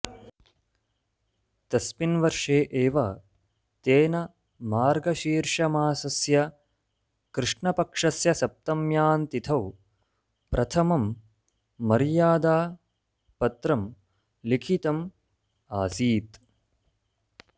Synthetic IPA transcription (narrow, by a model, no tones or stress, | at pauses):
t̪ɐspinʋɐɾʂeːʔeːʋɐ | t̪eːnɐ | maːɾɡɐʃiːɾʂɐmaːsɐsjɐ | kɾɨʂɳɐpɐkʂɐsjɐsɐp̚t̪ɐmjaːnt̪it̪ʰɐw | pɾɐt̪ʰɐmɐmː | ɐɾjaːd̪aː | pɐt̪ɾɐm | likʰit̪ɐm | aːsiːt̪